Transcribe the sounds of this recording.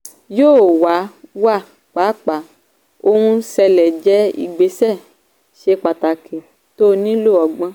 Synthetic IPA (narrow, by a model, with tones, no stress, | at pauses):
joː˦˨wa˨˦wa˦˨ | k͡pa˨˦k͡pa˨˦ | o˧hũ˧sɛ˧lɛ˨d͡ʒɛ˦ḭ˦˨ɡ͡be˨˦sɛ˦˨ | ʃe˧k͡pa˨ta˨kʰe˨ | to˦nĩ˦lu˦˨ɔ˨ɡ͡bã˧˦